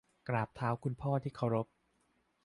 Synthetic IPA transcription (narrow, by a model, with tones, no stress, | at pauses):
kɾaː˨˩p̚t̪ʰaː˦˥wkʰu˧npʰɔː˥˩t̪ʰiː˥˩kʰa˧˥˩wɾo˦˥p̚